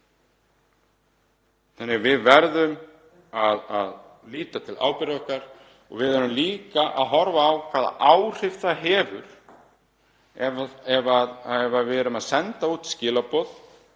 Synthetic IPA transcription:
θanːɪvɪðvɛɾðʏm | aða̰ð | liːt̪at̪ʰɪla̰ːwpɪɾaɔhkaɾ̥ | ɔ̰ɣvɪðɛɾʏmliːkaʔa̰ðɦɔɾvaːwkʰv̥aːða̰ʔaːwr̥ɪft̪aɦɛːvʏɾ̥ | ɛɛvaðɛvavɛɾʏmaðsɛnt̪auːt̪scɪːlapɔð

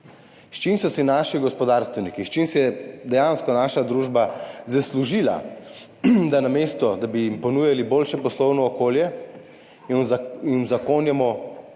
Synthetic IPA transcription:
ʃt͡ʃinsɔsinaːʃiɡɔspɔd̪aːɾst̪ʋɛwnikiʃt͡ʃinsɛjɛd̪ɛjanskɔnaːʃad̪ɾuːʒbazasluʒila̰ | d̪anamest̪ɔd̪abijimpɔnujaliboːlʃɛpɔslɔwnɔːkoːljɛ | inzakoːnjɛmɔ

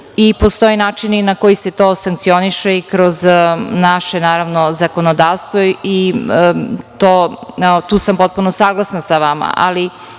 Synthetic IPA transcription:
ipo̞st̪o̞jenaːt͡ʃininako̞jiset̪o̞ːsaŋkt̪sio̞niʃeikɾo̞znaʃenaːɾaʋnozakonod̪aːʋst̪ʋoi | t̪oːt̪uːsampo̞t̪̚punosaːɡlˠasnasaʋama̰ʔa̰li

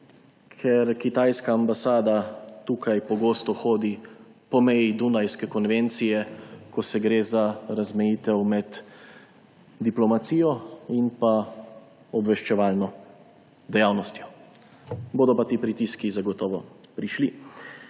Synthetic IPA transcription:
kʰɛɾkit̪aːjskaːmbasaːd̪at̪ukajpɔɡoːst̪ɔxoːd̪i | pɔmɛjid̪unajskɛkɔnʋent̪sijɛkɔsɛɡɾeːzaɾazmɛjiːt̪ɛwmɛd̪ | d̪iplɔmat̪siːjɔinpa | ɔbʋɛʃt͡ʃɛʋaːlnɔ | d̪ɛjawnɔst̪jɔ | boːd̪ɔpat̪iːpɾit̪iskizaɡɔt̪ɔːʋɔpɾiʃli

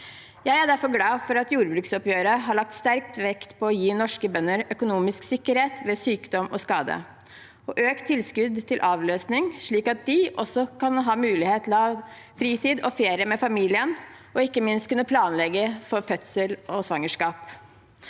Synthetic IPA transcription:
jæɪæɖæɾfɔɾɡlɑːfɔɾɑt̪juːɾbɾʉːksɔpjøːɾəɦɑɭɑk̚t̪st̪æɾk̚t̪ʋɛkt̪pʰɔɔjiːnɔʂkəbœnːəɾœkʊnuːmɪsksɪkːəɾheːt̪ʋɛsyːkd̪ɔmɔskɑːd̪ə̰ | ɔʔøːkt̪ʰːɪlskʉd̪t̪ʰɪlʔɑːʋløːsnɪŋʂɭiːkɑt̪̚d̪ɪʔɔsːɔkʰɑnɦɑːmʉːlɪheːt̪ʰlɑ | fɾiːt̪iːd̪ɔfeːɾɪəmɛfɑmiːlɪən | ɔɪkːəmɪnst̪kʉnːəpʰlɑːnlɛɡːəfɔɾfœt̪səlʔɔsʋɑŋːəʂkɑːp

